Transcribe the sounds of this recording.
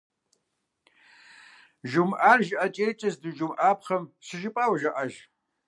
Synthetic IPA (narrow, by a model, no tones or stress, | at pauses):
ʒʊmʔaːrʒʔɐt͡ʃʼeːjt͡ʃʼɐzdɨʒʊmʔaːpχɐmɕɨʒɪpʼaːwɐʒɐʔɐʒ